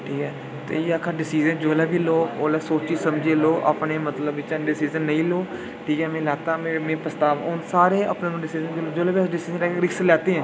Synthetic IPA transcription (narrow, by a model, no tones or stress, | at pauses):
ʈʰiːkɛː | t̪ḛːjeːəkʰəɾɖɪsiːzənd͡ʒoːlɛːbiːloːoːlɛːsoːt͡ʃiːsəmd͡ʒeːloːʔəa̰pneːmət̪ləbɪt͡ʃaɖɪsiːzənːə̃ĩːloː | ʈʰiːkɛːmɛ̃ːlaːt̪aːmẽːmẽːpəst̪aːʋʊnsaːɾeːə̰pnẽːmɖɪsiːzənd͡ʒoːloːd͡ʒoːlɛːbiəsɖɪsiːzənɾɛːkeɾɪkslɛːt̪eːɦɛ̃ː